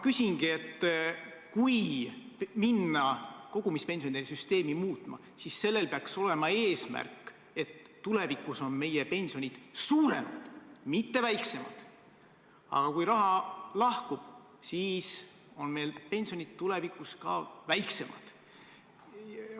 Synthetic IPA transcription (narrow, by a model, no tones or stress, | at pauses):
kysʲiŋɡ̥ie̞t̪ːkuj | minːɑko̞ɡ̥umispe̞nsionid̪esyst̪e̞ːmimuːt̪ˑmɑ̰ | sisːe̞lːe̞lpeɑkso̞le̞mɑe̞ːsmæ̰rkːˑ | e̞t̪ːule̞vikuso̞nme̞jepe̞nʲsio̞nʲid̪̥suːɾe̞mɑ̰d̪̥mit̪ːe̞væjkse̞mɑ̰d̪̥ | ɑ̰ɡ̥ɑkujɾɑɦɑlɑhkub̥ | siːs | o̞nme̞jlpe̞nʲsio̞nid̪̥t̪ule̞vikuskɑ̰væjkse̞mʔɑ̰d̪̥